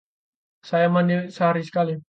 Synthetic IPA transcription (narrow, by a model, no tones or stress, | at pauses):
sajamaniwɪʔsəɦaɾisə̥kali